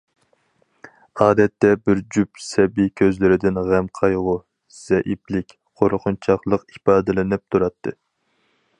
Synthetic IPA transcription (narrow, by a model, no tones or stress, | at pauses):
ɑːd̪ɛt̪ːɛbɪɾd͡ʒypsɛbikʲʰøzlɪɾɪd̪ɪnʁæmqʰɑjʁʊ | z̥ɛʔiplɪkʲ | qʰoɾqʰʊnt͡ʃʰɑχlˠəqipɑːd̪ɨlɪnɪp̚t̪ʰuɾɑt̪ʰːɨ